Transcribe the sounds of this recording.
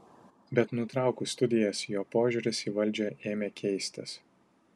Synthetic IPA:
bʲɛt̪nʊt̪ɾɑˑʊkust̪ʊd̪ʲɪjɛsjoːpoːʒʲuɾʲɪsiːʋɐlʲˑd͡ʒʲoːeːmʲeːkʲʰɛɪsʲt̪ʲɪ̰s

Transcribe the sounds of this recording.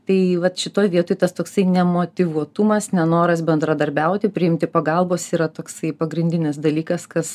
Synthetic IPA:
t̪ɐɪʋɐt̪ʃʲɪt̪oːjʋʲiɛt̪oɪt̪ɐst̪oːksɐɪnʲɛmoːt̪ʲɪʋuɔt̪umɐsnʲɛnoːɾɐsbʲɛnd̪ɾɐd̪ɐɾʲbʲɛʊt̪ʲɪpʲɾʲɪɪmʲt̪ʲɪpɐɡɐlˠboːsiːɾɐt̪oːksɐɪpɐɡɾʲɪnʲd̪ʲɪnʲɪs̬d̪ɐlʲiːkɐskɐs

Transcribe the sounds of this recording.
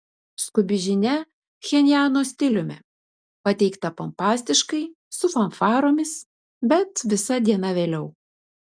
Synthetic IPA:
skʊbʲɪʒʲɪnʲɛ | xʲɛnʲjæːnoːsʲt̪ʲɪlʲʊmʲɛ̰ | pɐt̪ʲɛɪkt̪ɐpompɑːsʲt̪ʲɪʃkɐɪ | sʊfɐnfɑːɾoːmʲɪs | bʲɛt̪ʋʲɪsɐd̪ʲiɛnɐʋʲeːlʲɛʊ

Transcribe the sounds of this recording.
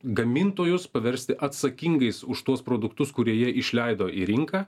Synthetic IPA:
ɡɐmʲɪnt̪oːjʊspɐʋʲɛɾʲsʲt̪ʲɪʔɐt̪sɐkʲɪŋɡɐɪsʊʃt̪uɔspɾoːd̪ʊkt̪ʊskʊɾʲiɛjiɛɪʃʲlʲɛɪd̪oːʔḭɾʲɪŋkɐː

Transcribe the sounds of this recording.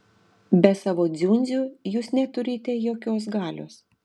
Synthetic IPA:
bʲɛsɑːʋoːd̪zʲunʲzʲujuːsnʲɛt̪ʊɾʲiːt̪ʲɛjoːkʲoːs̬ɡɑːlʲo̰ːs

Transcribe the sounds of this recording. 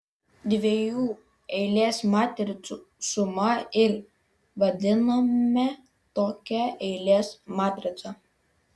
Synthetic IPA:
d̪ʲʋʲejuː | ɛɪlʲeːsmɑːt̪ʲɾʲɪt̪suːsʊmɐɪɾ | ʋɐd̪ʲɪnɐmʲɛ | t̪oːkʲɛɛɪlʲeːsmaːt̪ʲɾʲɪsɐ

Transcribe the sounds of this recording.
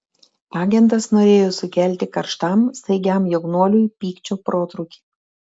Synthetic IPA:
ɑːɡʲɛnt̪̬ɐsnoːɾʲeːjoːsʊkʲæˑlʲt̪ʲɪkɐɾʃt̪ɐˑmsɐɪɡʲæmjoɡnuɔlʲʊjpʲiːkt͡ʃʲoːpɾoːt̪ɾʊkʲi̥ː

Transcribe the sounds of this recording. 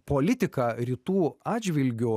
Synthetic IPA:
polʲɪt̪ʲɪkɑɾʲit̪uːɑːdd͡ʒʲʋʲɪlʲɡʲʊ

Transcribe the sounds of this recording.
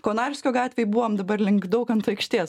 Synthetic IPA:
koːnɑːɾʲɪsʲkʲoːɡɑːt̪ʲʋʲeːjbuːʋomd̪ɐbɐɾlʲɪŋɡd̪ɐʊkɐnt̪ɐɪkʃʲt̪ʲiɛs

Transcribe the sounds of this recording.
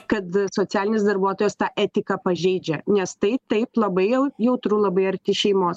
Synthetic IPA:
kɐt̪soːt͡ssʲæːlʲɪnʲeːsd̪ɐɾbuɔt̪oːjɛst̪ɑːʔɛːt̪ʲɪkɑːpɐʒʲɛɪd͡ʒʲɛnʲɛst̪ɐɪp̚t̪ɐɪplˠɐbɐɪjɛʊjɛʊt̪ɾuːlˠɐbɐɪɐɾʲt̪ʲɪʃʲɛɪmoːs

